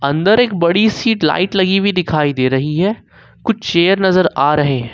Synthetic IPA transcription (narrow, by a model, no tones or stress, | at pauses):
ɐ̃nd̪əɾeːk̚bɐɽisiːʈla̰ːɪʈlɐɡibʱid̪ɪkʰaːid̪eːɾɐɦiɦɛ | kʊt͡ʃʰʃeːəɾnɐzəɾaːɾɐɦeɦɛ̃